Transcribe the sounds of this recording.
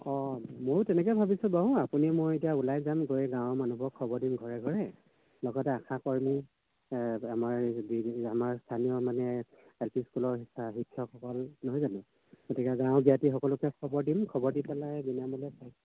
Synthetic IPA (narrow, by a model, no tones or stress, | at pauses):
ɔmojtɛnɛk̬ɔbʱabisʊ̃baɦuʊ̃apunimojetijaulajzamɡojɛɡãwmanɔbʱɔkʰːɔbɔɹdimɡʱɔɹɛɡʱɔɹɛ | lɔɡɔtɛakʰakɔɹimu | amaɹbiamaɹstʰaniɔmanɛ | elpʰiskulɔɹisaɦikʰːjɔkʰɔkɔlnɔɦɔjzanɛ̃ | ɡ̥otikɛɡãʊ̃bijatixɔkɔlʊkɛkʰɔbɔɹdimkʰɔbɔɹdipɛlajbinamɔlɛsajs